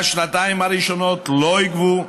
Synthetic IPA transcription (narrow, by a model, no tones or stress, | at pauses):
ʃnataɪmaɾiʃɔnɔtlɔjɡvu